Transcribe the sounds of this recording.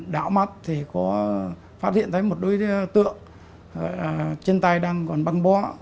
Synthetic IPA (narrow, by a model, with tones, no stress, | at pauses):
ɗa̰ː˧˨wma˨˩t̚t̪ʰi˨˩kɔ˨˦ | faː˦˥t̚hḭ˧˨ənt̪ʰːjmo˨˩t̚ɗu˨˦jt̪ɨ̰˧˨əŋ | zɔ̰˧˨jlaː˨˩t͡ɕe˧nt̪a˧jɗaː˧ŋkɔ˨˩nɓa˧ŋɓɔ˨˦